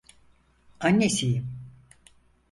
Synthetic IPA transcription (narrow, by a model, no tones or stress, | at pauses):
anːesijim